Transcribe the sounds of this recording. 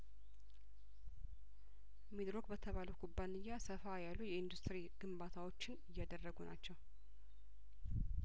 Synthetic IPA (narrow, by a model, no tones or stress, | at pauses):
med̪ɾo̞kbət̪ʰəβaləwkʰubːanɨɲːasəfajalːujɛɪnd̪ust̪ɾiɡ̥ɨmbat̪ʰawo̞t͡ʃːɪnɨjːad̪ərːəɡunat͡ʃːɛw